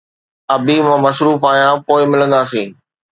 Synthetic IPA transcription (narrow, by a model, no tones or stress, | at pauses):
ɐbʱimãːmɐsɾuːfaːjãpoːɪmɪlə̃nd̪aːsĩː